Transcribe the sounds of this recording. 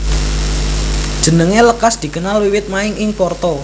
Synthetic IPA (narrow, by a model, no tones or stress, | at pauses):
d̥ʒ̥ə̤nəŋeləkasd̪̥i̤kənalwiwɪt̪̚maɪŋɪŋpɔrt̪ɔ